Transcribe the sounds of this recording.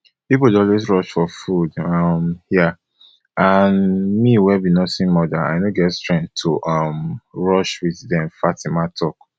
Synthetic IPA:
pip̬oldɔlwesɹɔʃfɔfudʌmja | anmiwɛbĩnɔsĩnmɔdaa̰ɪnoɡɛtstɹɛ̃ntʰuʔʌmɹɔʃwiððɛ̃mfatimatʰɔk

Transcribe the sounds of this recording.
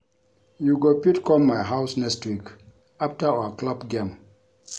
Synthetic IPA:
juɡopitkɔ̃mmaɪɦaʊsnɛkstwik | aftaawaklabɡẽm

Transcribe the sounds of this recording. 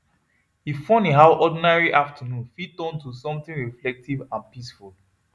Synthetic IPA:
hifɔ̃niɦawʔɔdĩnaɹiʔaftʰənũnfitɔ̃ntusɔ̃mt̪ĩŋɹiflɛk̚tʰivãnpisful

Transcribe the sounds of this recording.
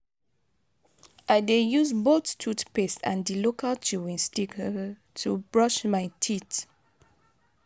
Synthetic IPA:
ʔajdejuzbottʰutpestã̰ndilokalt͡ʃuwĩnstikə | tʰubɹɔʃmaɪtʰit

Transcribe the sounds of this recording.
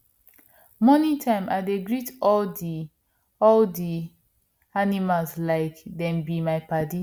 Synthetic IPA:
mɔnĩtʰãɪ̃mʔaɪdeɡɹitɔldi | ɔldi | animalslaɪkdɛ̃mbimaɪpadi

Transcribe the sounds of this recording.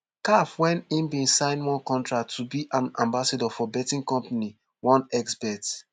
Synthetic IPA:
kafwɛ̃nĩmbĩnsãɪ̃nwɔ̃nkɔ̃ntɹaktʰːubiʔãnãmbasadɔfɔbɛtĩnkɔ̃mpani | wɔ̃nɛksbɛt

